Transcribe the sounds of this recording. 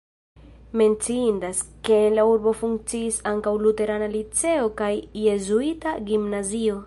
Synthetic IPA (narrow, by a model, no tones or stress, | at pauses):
me̞nt͡siindaske̞nlauɾbo̞fuŋk̚t͡siːsaŋkawlute̞ɾanalit͡se̞o̞kajːe̞zuitaɡimnazio̞